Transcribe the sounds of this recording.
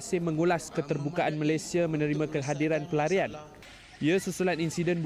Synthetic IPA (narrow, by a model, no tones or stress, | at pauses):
sɪmə̃ŋulaskət̪ərbukaʔanmalajsiamə̃nəɾimãkəɦadiɾanpəlaɾian | iasusulaninsidɛnb